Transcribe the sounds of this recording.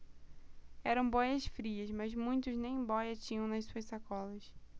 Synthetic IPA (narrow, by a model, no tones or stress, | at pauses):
ɛɾɐ̃w̃bɔjɐsfɾiɐzmɐzmũj̃t̪ʊznẽj̃bɔjɐt͡ʃĩɲɐ̃w̃nɐssuɐssakɔlɐs